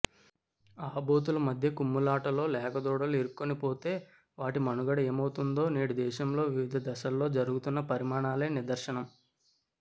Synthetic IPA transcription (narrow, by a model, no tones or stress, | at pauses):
aːboːt̪̬ulɐmɐd̪ʱjɐkumːulaːʈɐlo̞ːlɛːkɐd̪ɔːɽɐleɾukːonipo̞ːt̪e̞ː | ʋaːʈimɐnuɡɐɽɐeːmɐwut̪und̪o̞ːneːɽud̪ɛːʃɐmlo̞ːʋiʋid̪ʱɐd̪ɐʃɐlːo̞ːd͡ʒɐɾuɡut̪unːɐpɐɾimaːɳaːleːnid̪ɐɾʃɐɳɐm